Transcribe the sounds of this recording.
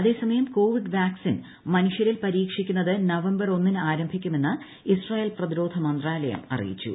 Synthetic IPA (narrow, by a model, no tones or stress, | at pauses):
ɐðe̞ːsɐmɐjɐmko̞ːʋiɖʋjaːksin | mɐnuʂjɐɾilpɐɾiːkʂikʲːunːɐðɨnɐʋɐmbɐro̞nːinɨaːɾɐmbʱikʲːume̞nːɨ | israːje̞ːlprɐðiɾo̞ːd̪ʱɐmɐnd̪raːlɐjɐ̰mɐ̰rḭjḭt͡ɕːṵ